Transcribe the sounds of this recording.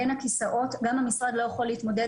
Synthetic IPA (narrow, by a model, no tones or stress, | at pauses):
enhakisaʔo̞tɡamhamisʁad̪lo̞jeχoleit̪mo̞de